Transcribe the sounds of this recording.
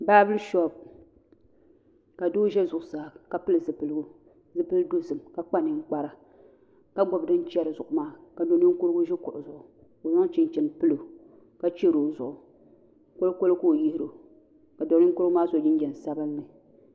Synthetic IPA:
baː˦bɨ˦lʃɔ˦˨b̚ | ka˨doː˦ʒɛ˦zʊ˨ʔʊ˨sa˨ka˨pɨ˦lɨ˨zɨ˨pɨ˨lɨ˦ɡʊ˦ | zɨ˨pɨ˦ldo˦sɨ˨mka˨k͡pa˦nɨ˨ŋ̩˦k͡pa˨ɾa˨ | ka˦ɡ͡bɔ˨bdɨ˦n˦t͡ʃɛ˦ɾɨ˨zʊ˨ʔʊ˨maː˦ka˨do˨nɨ˦ŋ˦kʊ˦ɾɨ˦ɡʊ˦ʒɛ˦kʊ˨ʔʊ˨zʊ˨ʔʊ˨ | ko˨za˦t͡ʃɪ˨n˨t͡ʃɛ˨n˨pɨ˦lo˨ | ka˦t͡ʃe˦ɾo˨zʊ˨ʔʊ˨ | ko˦lko˦lko˦˨ji˦hɪ˦ɾo˨ | ka˨do˨nɨ˦ŋ˦kʊ˦ɾɨ˦ɡʊ˦maː˦zo˨d͡ʒɪ˦n˦d͡ʒɛ˨n˨sa˦bɨ˦mːɨ˨

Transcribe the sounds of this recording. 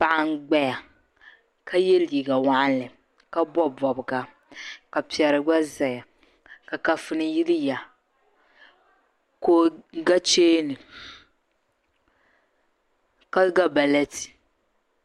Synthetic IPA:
pa˦ʔa˦ŋ˦ɡ͡bɛ˦ja˨ | ka˦je˦li˨ɡa˨wa˦ʔa˦lɨ˨ | ka˦bɔ˦bɔ˨bɨ˨ɡa˨ | ka˨pi˨ɛ˨ɾɨ˨ɡ͡ba˦za˨ja˨ | ka˨ka˨fɨ˦nɨ˦ji˦li˦ja˨ | koː˦ɡa˦t͡ʃeː˦nɨ˨ | ka˦lɡa˦ba˨lɛ˦ti̥˨

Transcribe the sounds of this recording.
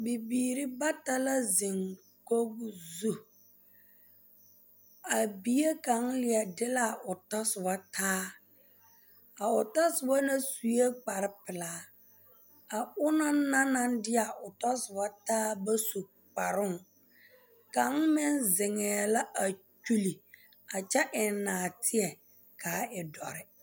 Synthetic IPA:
bi˨biː˨ɾɪ˦ba˦ta˦la˦zɪ˨ŋ | ko˦ɡzu˦ | a˨bi˨je˦ka˨ŋ̩˦lɪ˨ɛ˨dɪ˦la˦˨ʊ˨tɔ˦sɪ˨ba˦tʰaː˦ | a˨ʊ˨ta˦sɪ˨ba˦na˦su˨je˦k͡pa˨ɾɪ˦pɪ˨laː˨˦ | a˨ʊ˦na˦na˦na˦ndɪ˦a˨ʔʊ˨tɔ˦sɪ˨ba˦taː˦ba˦su˨ | k͡pa˨ɾʊ˦ŋ | ka˨˦ŋmɪ˦nzɪ˨ŋɛː˨la˦ʔa˨ | t͡ʃu˦li˨ | a˨t͡ʃɛ˦ʔɪ˨n˦naː˨tʰɪ˦ɛ˨ | kaː˨˦ɪ˨dɔ̰˨ɾɪ˦

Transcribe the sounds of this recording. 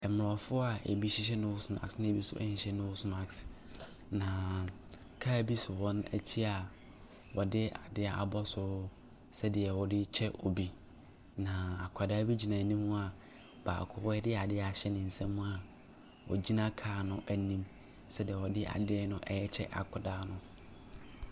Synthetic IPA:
ɛ˨mʊ˨ɔ˨fʊ˦a˨ḛ˨bi˦ɕi˦ɕ̬ɛ˦nõ˦wʊ˦sma̰˨ksnɪ̃˦˨bi˦sʊ̰˦ʔɛ̰˦hĩ˨ɕɛ˦nõ˦sma˨ks | nã˨ | kʰa˦˨bi˦sʊ˨wɔ̃˦næ̰˦tʰi˦a˨ | wɔ˨dɪ˦a˨dɪ˦a˨a̰˨bɔ˦sʊ˦ | sɛ˦dɪ˨ɛ˨wɔ˨dɪ˦t͡ɕʰɛ˦ʔɔ˨bi˦ | nã˨a˨kʷʰɔ˨daː˦bi˦d͡ʑi˨nã˨nĩ˦mʊ̃˦a˨ | b̥a̰ː˨kʰʊ˦ɛ˦dɪ˦a˨dɪ˦˨a˨ɕɛ˦nɪ̃˨n̩˨sɛ̃˦mːũ˦a˨ | wɔ̰˨d͡ʑi˦nã˦kʰaː˨nʊ̃˦ʔæ˨nĩ˦m | sɛ˦dɪ˨ɛ˨wɔ˨dɪ˦ʔa̰˨dɪ˦ɛ˦nʊ̃˦ʔɛ˨jɛ˦t͡ɕʰɛ̰˦ʔa̰˨kʰʊ˨daː˦nʊ̃˦

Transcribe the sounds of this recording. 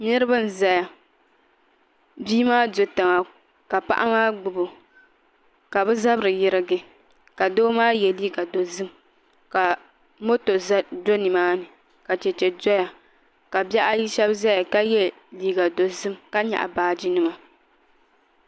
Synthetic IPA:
nɨ˦ɾɨ˦bɨ˦n̩˨za˦ja˨ | biː˦maː˦do˨ta˨ŋa˨ | ka˨pa̰˦ʔa̰˦maː˦ɡ͡bʊ˨bo˨ | ka˨bɨ˦za˦bɾɨ˨jɪ˦ɾɨ˦ɡɨ˦ | ka˨doː˦maː˦jɛ˨liː˦ɡa˨do˨zɨ˦m | ka˨ | mo˦to˨˦do˦ni˨maː˦nɨ˨ | ka˨t͡ʃɛ˨t͡ʃɛ˨dɔ˦ja˨ | ka˨bɛ˦ʔa˦ji˦ʃɛ˦bza˦ja˨ka˦jɛ˦ | liː˨˦ɡa˨do˨zɨ˦mka˦ɲa̰˨ʔa̰˨baː˨d͡ʒi˦nɨ˦ma˨

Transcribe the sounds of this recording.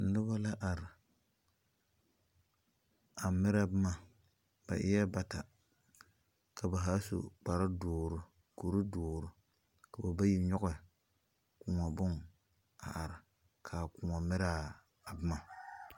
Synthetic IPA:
nʊ˦ba˦la˦ʔa˨ɾɪ˨ | a˨mɪ˦ɾa˦˨bɪ˦ma˨ | b̥a̰˨ʔɪ̰˦jɛ˦ba˨ta˨ | kʰa˨ba˨ɦa˦so̰˨k͡pa˨ɾa˦dʊː˨ɾʊ˨ | ko˨ɾʊ˦dʊː˨ɾʊ˨ | ka˨ba˨ba˦ji˦ɲɔ˦ɣɛ˨ | kʊ˨ŋa˨bʊ˦ŋ | a̰˨ʔa˨ɾɪ˨ | kʰaː˨kʊː˨ŋa˨mɪ˦ɾaː˦˨ | bɪ˦ma˨

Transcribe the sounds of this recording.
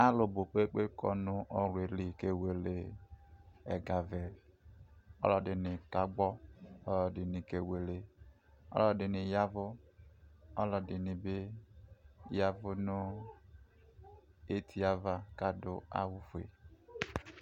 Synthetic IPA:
a˦lo˨bo˨k͡pe˦k͡pe˦kʰɔ̰˦nʊ˦ʔɔ˦ɾe˨li˨ke˦we˦˨le˦ | ɛ̰˨ɡa˨vɛ˨ | ɔ̰˦lɔ˨dɪ˨nɪ˨ka˨ɡ͡bɔ˦ɔ˦lɔ˨dɪ˨ni˨ke˦we˨le˦ | ɔ̰˦lɔ˨dɪ˨nɪ˨ja˦vʊ˦ | ɔ˦lɔ˨dɪ˨nɪ˨be˦˨ | ja˦vʊ˦nʊ˦ | e˦tʰi˨a˦va˦ka˦dʊ̰˨a̰˦wu˦fu˨ḛ˨

